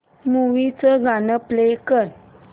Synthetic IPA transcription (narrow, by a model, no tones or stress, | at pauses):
muʋit͡səɡanəplekən